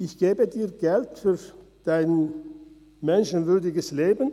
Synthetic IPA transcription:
ʔɪçɡ̥eːbədiːɐɡ̥ɛltfyːɐ | d̥aɪn | mɛnʃən̩vʏɐdɪɡəsleːbn̩

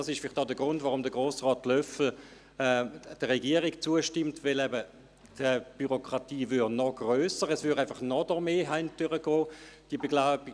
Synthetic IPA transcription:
ɑsɪʃfɪlɪd̥ɑdəɡʁʊndvaʁʊmdəɡʁoːsʁɔːtlœfl̩ | ɛd̥əʁɛɡiəʁikt͡suəʃtɪmtvɪlɛbə | d̥əb̥yʁokʁ̥ɑtiːvʏdnɔɡ̥ʁøːsəʁɛsvʏɾaɪfɐχnɔdəʁmeːɦaɪndyʁəɡ̥ɔːd̥ibeɡlaʊb

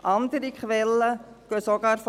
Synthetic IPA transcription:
ʔɑnd̥̪əɾikχʋɛlːə | ɡ̥øsoɡ̥ɑːɾf

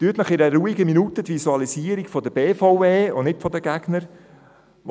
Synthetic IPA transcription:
t̪yːət̪nəχɪɾəɾuːiɡəminut̪ədʋisuɑliziːəɾiɡfɔdəbeːfɑʊveːʊ̰nɪtfɔd̪əɡæɡnəɾ

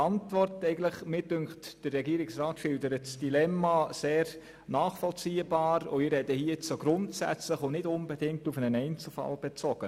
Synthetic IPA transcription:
ɑntvɔrtɛɪɡən̩tləχmɪdʏŋktd̥ərːɛɡiəɾɪksraːtʃɪldəɾətsd̥ilɛmːaseːɾ | naːχfɔlt͡siːəbaːɾʊ̰ɪɾɛdəhiət͡soɡɾʊntsæ̰t͡sləχʊnɪdʊnbɛdɪŋk̚tufənənɛɪnt͡sl̩fa̰lb̥ɛt͡sɔɡ̥ə

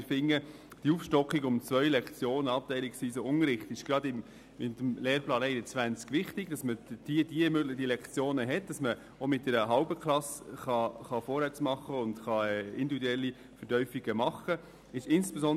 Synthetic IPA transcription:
ɾfɪŋːə | d̥iuːfʃtɔkχiɡʊmt͡svœʏlɛkt͡sjoːnəɑp̚tɛɪlɪksʋiːsoʊŋəɾɪχtɪʃɡ̥ɾɑdɪm | ɪdmleːɾplɑːnɛɪnət͡sʋænt͡skʋɪχtɪɡ̥d̥ɑsməd̥iəd̥iəmøːɡlɪdilɛkt͡sjoːnəɦɛt̚d̥ɑsmə | omɪt̚d̥ɛɾəɦɑlbəklɑsχɑχɑfɔːɾhæt͡smɑχːəʊndχɑɛɪndividuɛlːi | fəɾtœʏfiɡəmɑχə | ɪʃɪnsb̥esɔn

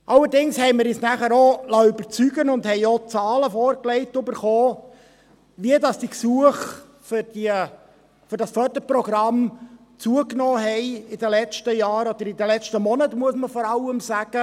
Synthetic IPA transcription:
ʔɑlːəɾdɪŋshɛɪmɪɾɪsnæχəɾolɑʏbəɾt͡syɡənʊnd̪hɛɪot͡sɑːləfɔːɾklɛɪtøbəɾχoː | ʋiədɑsd̥iksuəχ | fʏɾd̥i | fʏɾdɑsfœd̥̪əpɾɔɡ̥ɾɑm | t͡suəknɔːɦɛɪɪdəlɛt͡ʃtəjɑːɾɔd̥̪əɾɪd̪əlɛt͡ʃtəmɔnət̪muəsməfɔɾɑləmsæɡ̥ə

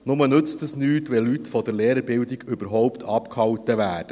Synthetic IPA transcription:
nʊmənɵt͡stəsnyːtʋɛlytfɔd̪əɾleːɾəɾbɪldiɡʏbəɾɦɔʊpt̪ʰɑpkhɑwtəʋæːd̥ə

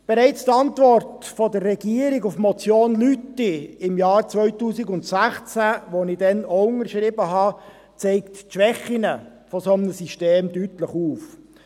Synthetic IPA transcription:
b̥ɛɾɛɪt͡st̪ɑntvɔrtfɔdərːɛɡiəɾɪɡʊfmɔt͡sjoːnlytːɪɪmjɑːɾt͡svœʏtuːsɪɡʊntsæχt͡sæʋonɪdɛnoʊŋəɾʃɾɪbəɦɑ | t͡sɛɪktʃʋɛχinə | fɔsɔmnəsiʃteːmdytləχuːf

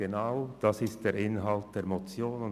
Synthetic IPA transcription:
enaʊd̥asɪst̚d̥eːɾʔɪnɦalt̚d̥eːɾmot͡sjoːnʊn

